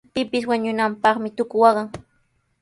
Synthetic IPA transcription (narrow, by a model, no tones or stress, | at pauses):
pɪpɪswaɲʊnampɑχmɪt̪ʊkʊwɑɢɑŋ